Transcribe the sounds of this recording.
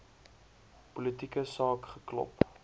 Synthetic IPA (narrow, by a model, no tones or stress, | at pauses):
pulətikəsɑːkχəklɔ̰p